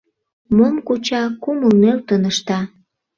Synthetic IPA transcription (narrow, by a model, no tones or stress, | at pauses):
momkut͡ɕɑkuməlmelt̪ənəʃt̪ɑ